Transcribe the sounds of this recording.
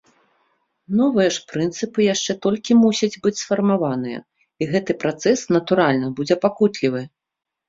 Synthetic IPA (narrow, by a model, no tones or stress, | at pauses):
nɔvɨjɐʂpɾɨnt̪sɨpɨjaʂt͡ʂɛt̪ɔlʲkʲimusʲɐd͡zʲbɨt͡sʲsfɐrmavanɨjɐ̰ | iɣɛt̪ɨpɾat̪sɛsnɐt̪uɾalʲnɐbud͡zʲɛpakut̪lʲivɨ